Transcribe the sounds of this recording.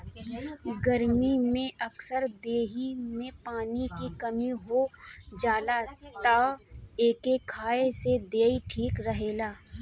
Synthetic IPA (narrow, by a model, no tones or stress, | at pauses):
ɡəɾmimẽʔɐksəɾd̪eːɦimẽpaːnikikɐmiɦod͡ʒaːlaːt̪aeːkekʰaːesed̪eːiʈʰiːkɾəɦeːlaː